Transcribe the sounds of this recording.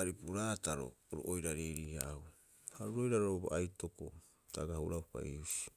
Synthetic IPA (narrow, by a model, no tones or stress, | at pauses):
aɾipuɾataɾo̞̰ːɾoʔojɾaɾeɾihaw | haɾuɾo̞jɾaɾooba̰ʔajto̞ko̰ | taɡahuɾaupa̰iusi̥